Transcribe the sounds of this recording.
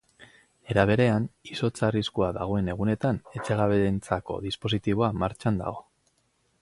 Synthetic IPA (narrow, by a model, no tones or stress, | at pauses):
e̞ɾaβ̞e̞ɾe̞aniso̞t͡sariskuaðaɣ̞o̞e̞ne̞ɣ̞une̞t̪ane̞t͡se̞ɣaβeðent͡sako̞̰ðispo̞sit̪iβ̞o̞amaɾt͡ʃand̪a̰ɣ̞o̞